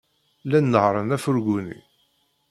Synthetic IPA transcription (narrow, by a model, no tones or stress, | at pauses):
lænːəhɾˤənæfʊɾɡʷunḭ